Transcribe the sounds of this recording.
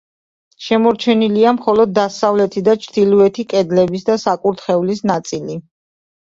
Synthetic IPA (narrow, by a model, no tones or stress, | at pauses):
ʃɛmɔɾt͡ʃʰɛniliamχɔlɔd̪ːasavlɛt̪ʰid̪at͡ʃʰɾd̪̥iluɛt̪ʰikʼɛd̪lɛbisd̪asakʼuɾt̪ʰχɛulisnat̪sʼili